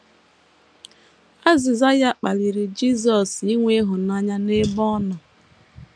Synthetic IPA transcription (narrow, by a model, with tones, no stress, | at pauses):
a˦zɪ˨za˦ja˦k͡pa˨li˨ɾi˨d͡ʒi˦zɔ˨si˦ŋʷe˦ɦʊ˨na˦ɲa˦ne˦bɔ˦nɔ˨